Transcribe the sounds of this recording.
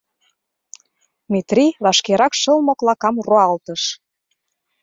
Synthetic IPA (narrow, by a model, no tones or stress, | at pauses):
mit̪riβɑʃkeɾɑkʃɤ̆lmoklɑkɑmroɑlt̪əʃ